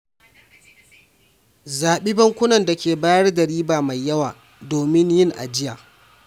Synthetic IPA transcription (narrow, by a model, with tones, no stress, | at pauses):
zaː˨ɓiː˦bɐ˦ŋkʷʊ˦nɐ˨nda˨kʲeː˨baː˦jɐ˦rdɐ˨ɽiː˦baː˨ma˨jːɐ˦waː˨ | doː˨mɪ˦ɲjɪ˦˨ŋʔa̰˨d͡ʒɪ˦jaː˨